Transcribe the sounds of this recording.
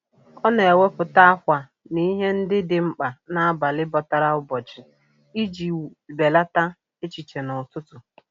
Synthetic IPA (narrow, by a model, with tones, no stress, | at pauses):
ɔ˦ne˨e˨we˦pʊ˨ta˦a˦kʷa˨ | ni˦ɦe˦n̩˦dɪ˦dɪ˦ŋ͡m̩˦k͡pa˨na˦a˦ba˨lɪ˦bɔ˨ta˦ɾa˦ʊ˦bɔ˨t͡ʃɪ˨ | i˦d͡ʒi˨be˨la˦ta˦ | e˦t͡ʃi˨t͡ʃe˨nʊ˨tʊ˦tʊ˨